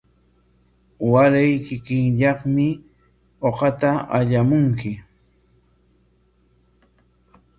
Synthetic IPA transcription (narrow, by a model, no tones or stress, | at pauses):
waɾajkɪkɪŋʎɑχmɪ | oqɑt̪aaʎamʊŋkɪ